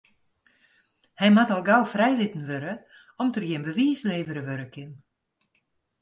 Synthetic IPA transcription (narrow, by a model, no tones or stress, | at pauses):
hɛjmatalˠɡawfrɛjlɪtən̩ʋøɾə | ɔmtərjɪnbəʋiəsleːvəɾəʋøɾəkʰɪn